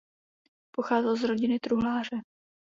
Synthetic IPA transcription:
po̞xaːzɛlzɾo̞ɟɪnɪt̪ɾuɦlaːr̝ɛ

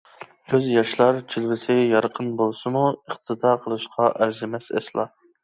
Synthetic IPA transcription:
kʲʰøzjɑʃlˠɑɾt͡ʃʰilvɪsɪɡʲɛjɑɾqʰənbolˠsɨmuəχt̪ʰɨd̪ɑːqʰəlˠɨʃqʰɑʔæɾzɪmɛsɛ̰slˠɑ̰

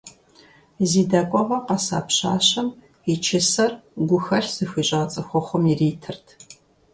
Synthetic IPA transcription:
ziːdɐkʷʼɔʁɐqɐsa̰ːpʰɕa̰ːɕɐm | it͡ʃʰɪsɐrɡʷʊxɐɬz̥ɨxʷiːɕʼɐːt͡sʼɐxʷɔχʷɔmiriːtʰɨrtʰ

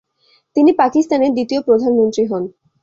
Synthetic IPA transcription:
t̪inipakist̪aneɾd̪it̪iopɾod̪ʱanmont̪ɾiɦɔn

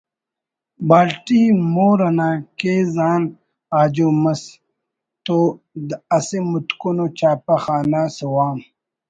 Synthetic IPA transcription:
baːlʈimoːɾɐnãːkeːzaːn | aːd͡ʑumɐs | t̪o | d̪ɐsemut̪konot͡ɕaːpaxaːnasuwaːm

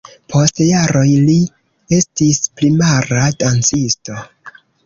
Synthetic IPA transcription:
pʰo̞stjaɾo̞jli | e̞stisplimaɾadant͡sisto̞

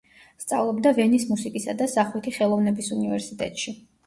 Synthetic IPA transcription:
st̪sʼa̰vlˠɔbd̪avɛnismusikʼisad̪asaχwit̪ʰiχɛlˠɔvnɛbisunivɛɾsit̪ʼɛ̰t̪ʼʃi

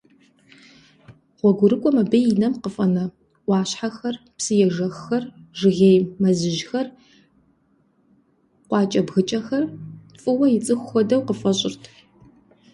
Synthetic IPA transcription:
ʁʷɔɡʷʊɾɨkʷʼɔmɐbejɪnɐmqəfʼɐnɐ | ɑːɕħaxɐrpsɨjɛʐɐxxɐrʒɨɣeːjmɐzɨʒxɐr | qʷɑːt͡ʃʼɐbɣɨt͡ʃʼɐxɐrfʼɨwɐjɪt͡sʼɨxʷxɔdɐwqəfɐɕʼɪrtʰ

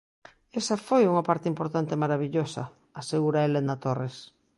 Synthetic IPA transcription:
esafojuŋapaɾt̪eimpoɾt̪ant̪emaɾaβ̞iʎosɐ̰ | aseɣuɾaelenat̪ores

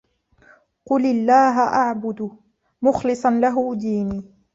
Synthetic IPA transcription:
qʊlɪlːaːɦaʔaʕbʊd̪ʊ | mʊxlɨsˤɑnlaɦʊd̪iːniː

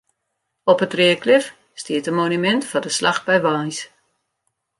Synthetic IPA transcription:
ɔpətrɪəklɪf | stiətənmonymɛntfɔdəslax̚bɛjʋajs

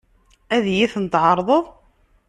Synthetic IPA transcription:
æðjiθənət̪ʕɑɾˤðˤəðˤ

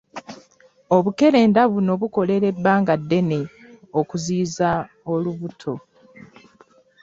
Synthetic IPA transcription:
o̞βuke̞ɾe̞ːndaβuno̞βuko̞le̞ɾe̞bːaːŋɡadːe̞ne | okuziːza | oluβutʰo̞

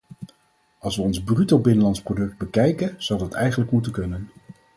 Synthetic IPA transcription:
ɑlˠsʋəɔnzbrytobɪnənlɑntsprodɵk̚d̚bəkɛjkənz̥ɑwdɑtɛjχənləkmutəkɵnən

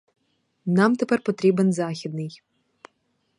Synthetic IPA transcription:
nɑmt̪ɛpɛrpɔt̪ɾʲibɛnzɑxʲid̪̚nɪj

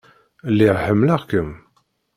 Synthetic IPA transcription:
lːiʁħəmːləʁkəm

